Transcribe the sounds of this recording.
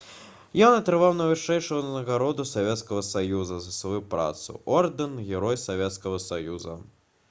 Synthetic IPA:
jɔnɐt̪ɾɨvawnɐvɨʂɛjʂɐɣɐnɐɣaɾɔd̪usavʲɛt̪skɐɣɐsajuzɐzɐsvajupɾa̰t̪sṵɔrd̪ɨnɣʲɛɾɔjsavʲɛt̪skɐɣɐsajuzɐ̰

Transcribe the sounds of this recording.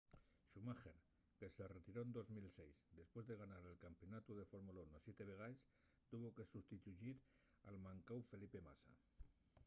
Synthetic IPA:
ʃumaxeɾ | keseret̪iɾoend̪ozmilsejzd̪espwe̞zðe̞ɣ̞anaɾelkampionat̪uðefoɾmulaunosjet̪eβ̞eɣ̞ajs | t̪uβ̞okesust̪it̪uʒiɾ | almãŋkawfelipema̰sa̰

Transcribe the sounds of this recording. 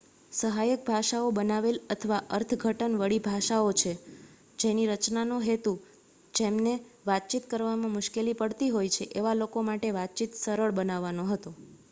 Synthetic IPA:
səɦajək̚bʱaʃaobənaʋelət̪ʰəʋaʔəɾt̪ʰɡʱəʈənʋəɭibʱaʃaot͡ʃʰe | d͡ʒeniɾət͡ʃnanuɦet̪u | d͡ʒemneʋat̪̚t͡ʃit̪kəɾʋamãmʊʃkelipəɽt̪iɦojt͡ʃʰeʔeʋalokomaʈeʋat̪̚t͡ʃit̪səɾəɭbənaʋːanoɦət̪o

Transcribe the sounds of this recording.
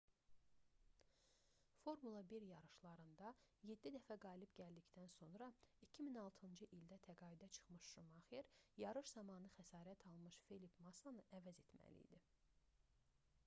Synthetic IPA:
fo̞ɾmulˠɑbiɾjɑɾɯʃlˠɑɾɯnd̪ɑje̞d̪ːid̪æfæɡɑːlibɟæld̪ict̪ænso̞nɾɑicʰiminɑlˠt̪ʰɯnd͡ʒɯʔild̪æt̪ʰæɡɑːid̪æt͡ʃʰɯ̥χmɯʃʃumɑχeɾjɑɾɯʃzɑmɑnɯxæsɑːɾæt̪ʰɑlˠmɯʃfelipʰmɑsɑnɯʔævæze̞t̪mæ̰lḭd̪i

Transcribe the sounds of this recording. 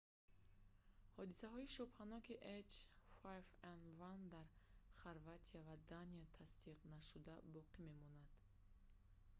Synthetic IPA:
hɔd̪isaɦɔiʃɔphanɔkiʔet͡ʃfajfanvand̪aɾχaɾvat̪ʰiavad̪aniat̪ʰast̪iqnaʃud̪abɔqime̞mɔnad̪̥

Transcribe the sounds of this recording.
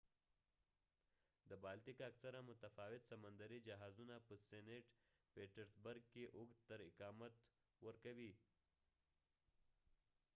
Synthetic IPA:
d̪əbaːlʈ̪ikaksaɾamʊt̪afɑːwɪt̪sɐmənd̪aɾid͡ʒaɦaːzunapəseneʈ | peːʈəɾsbəɾɡ̚keʔʊɡ̪t̪əɾɪkɑːmat̪ | wəɾkawi

